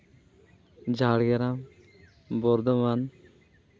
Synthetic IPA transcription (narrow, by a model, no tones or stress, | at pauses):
d͡ʒaɽɡɛɾam | bɔɾd̪ɔman